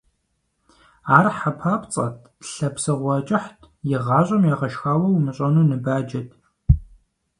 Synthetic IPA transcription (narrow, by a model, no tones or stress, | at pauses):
aːrħapʰaːpt͡sʼɐ̰tʰɬɐpsɨʁʷɔt͡ʃʼɪħtʰ | jɪʁɑːɕʼɐmjaːʁɐʃxaːwɐwmɨɕʼɐnuːnɨbaːd͡ʒɐtʼʰ